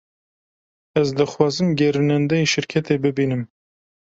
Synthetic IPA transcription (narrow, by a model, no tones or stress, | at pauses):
ɛzd̪ɨxwɑːzɨmɡʲɛɾɨnɛnd̪ɛjiʃɪɾkʰɛt̪eːbɨbiːnɨm